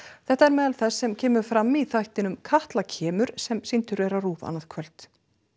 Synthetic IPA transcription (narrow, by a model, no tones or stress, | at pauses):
θɛht̪aɛɾmɛːðalθɛsːɛmcʰɛːmʏɾfɾamːiθajht̪ɪnʏmkʰaht̪lacʰɛːmʏɾ̥sɛmsint̪ʏɾvɛɾaruːða̰naðkʰœlt̪